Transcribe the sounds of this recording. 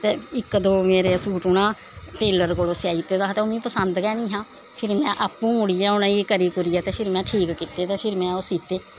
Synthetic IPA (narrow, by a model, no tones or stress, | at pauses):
t̪eːɪkd̪oːmeːɾeːsuːʈʊɳãː | ʈeːləɾkoːloːsjaːiːt̪eːd̪aːt̪eːoːmĩːpəsənd̪kɛːnĩːɦãː | pʰɪɾmɛ̃ːʔaːpːũːmʊɽijaːʊnãːeːkəɾiːkʊɾijaːt̪eːpʰɪɾmɛ̃ːʈʰiːkkit̪eːt̪eːpʰɪɾmɛ̃ːoːsiːt̪eː